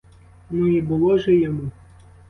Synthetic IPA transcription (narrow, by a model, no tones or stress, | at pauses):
nuibɨlˠɔʐɛjamu